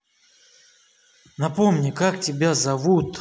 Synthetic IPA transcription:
nɐpomnʲɪkak̚tʲɪbʲazɐvut̪

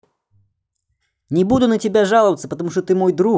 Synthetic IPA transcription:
nʲɪbud̪ʊnətʲɪbʲaʐalˠəvət̪səpət̪ɐmuʂt̪ot̪ɨmojd̪ɾu

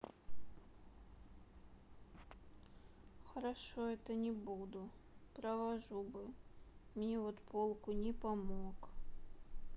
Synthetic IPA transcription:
xɐɾaʂoɛt̪ənʲɪbud̪ʊpɾɐvaʐubɨmnʲevɔt̪pʰolˠkʊnʲɪpamok

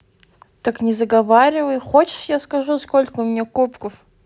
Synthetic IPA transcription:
t̪əknʲɪzəɡɐvaɾʲɪvəjxot͡ɕɪ̥ʂjaskɐʐuskolʲkəʊmʲɪnʲekupkəf

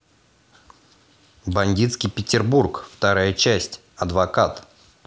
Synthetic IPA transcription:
bɐnʲdʲit̪skʲɪjpʲɪtʲɪrburkft̪ɐɾajət͡ɕæsʲtʲ | ɐd̪vɐkat̪

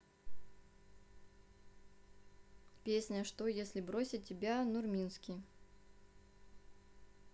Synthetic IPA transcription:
pʲesʲnʲəʂt̪ojesʲlʲɪbɾosʲɪt̚ʲːɪbʲanʊrmʲinskʲɪj

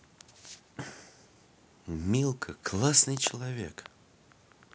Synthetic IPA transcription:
mʲilˠkʰəklˠasnɨjt͡ɕɪlˠɐvʲḛk

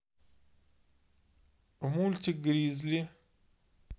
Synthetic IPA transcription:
ʊmulʲt̪ʲiɡɾiːzli

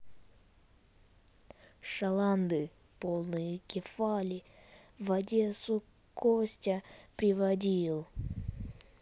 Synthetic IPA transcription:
ʂɐlˠand̪ɨ | polˠnɨjɪkʲɪfalʲɪvɐdʲe̞sʊ | kosʲtʲəpɾʲɪvɐdʲilˠ

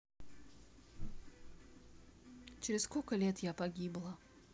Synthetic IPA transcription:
t͡ɕɪɾʲɪsskolʲkəlʲet̪japɐɡʲiblˠə

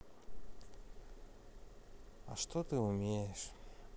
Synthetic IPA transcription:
a̰ʂt̪ot̪ɨumʲejeʃ

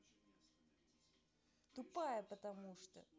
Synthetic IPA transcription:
t̪ʊpajəpət̪ɐmuʂt̪ə̰

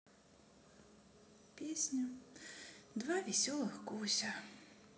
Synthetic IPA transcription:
pʲesʲnʲʊ | d̪vavʲɛsʲɔlˠɨxkusʲa

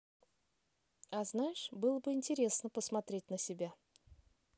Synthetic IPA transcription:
aznajʂbɨlˠbəintʲeɾʲe̞snəpʰəsmat̪ɾʲe̞tʲnasʲe̞bʲa

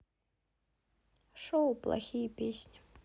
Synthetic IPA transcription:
ʂowplˠa̰xʲijəpʲesʲnʲi̥

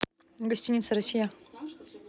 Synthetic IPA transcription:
ɡɐsʲtʲinʲit̪səɾɐsʲːija

